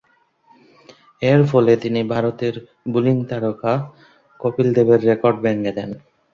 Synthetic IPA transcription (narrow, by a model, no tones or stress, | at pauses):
eɾfɔlet̪inibʱaɾot̪eɾ | buliŋt̪aɾoka | kopild̪ebeɾːekoɾɖbɛŋɡed̪ɛn